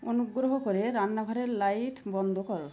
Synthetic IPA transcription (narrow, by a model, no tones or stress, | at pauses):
onuɡɾoɦokɔɾeɾanːabʱaɾeɾlajʈbɔnd̪ʱokɔɾo